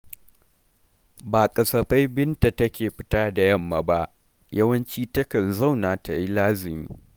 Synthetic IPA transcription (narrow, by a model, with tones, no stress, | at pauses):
baː˨kʼɐ˨sɐ˨ɸa˦jbɪ˦nta˨tɐ˦kʲeː˨ɸɪ̥˦taː˦da˨jɐ˦˨mːa˨ba˦ʔ | jɐ˦wɐ˦nt͡ʃiː˦tɐ˦kɐ˨nza˦˨wnaː˨ta˨ji˦laː˦zɪ˨mḭː˦